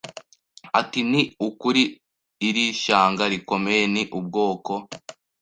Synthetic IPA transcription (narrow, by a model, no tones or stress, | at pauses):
atiniukuɾiː | ɾiʃaːŋɡaɾiko̞mejeniʔub̚ɡo̞ːko̞